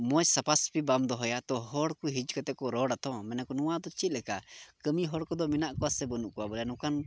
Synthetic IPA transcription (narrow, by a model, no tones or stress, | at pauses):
mɔjsapaspibamd̪ɔɦɔjat̪ɔɦɔɽkuɦid͡ʒkat̪ɛkɔɾɔɽat̪ʰɔ̃mɛnɛkɔnuwad̪ɔt͡ʃit̪̚lɛkakəmiɦɔɽkɔd̪ɔminaʔkɔwasɛbənuʔkɔwabɔljanũkan